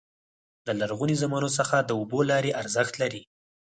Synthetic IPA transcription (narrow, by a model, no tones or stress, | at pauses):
d̪əlaɾɣunizamɑnosəxad̪əobolɑɾeʔaɾzəxt̪laɾi